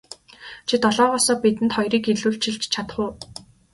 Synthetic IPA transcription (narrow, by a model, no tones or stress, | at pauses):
t͡ɕʰit̪ɔɮɔːʁɔːsɔːpit̪ɘ̆nt̪χɔjriːkeɮuːɬt͡ɕʰĭɮt͡ɕt͡ɕʰat̪χʊː